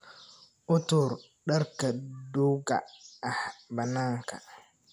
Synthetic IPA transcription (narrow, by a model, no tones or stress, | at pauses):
ʔʊtuɾ | ɗaɾkaduɡa̰ʔːhbɐnaːŋka̰